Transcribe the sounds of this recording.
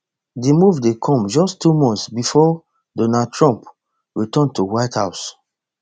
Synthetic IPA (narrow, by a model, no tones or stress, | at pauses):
dimuvdekʰɔ̃md͡ʒɔstʰːumɔ̃nsbifɔ | dɔnad̚tɹɔ̃mp | ɹitɔ̃ntuwaɪthaʊs